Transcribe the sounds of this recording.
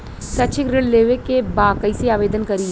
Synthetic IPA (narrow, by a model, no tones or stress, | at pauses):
sɐʃʰɪkɾɪɽleːʋekebaːkəiseaːʋeːd̪ənkɐɾiɦ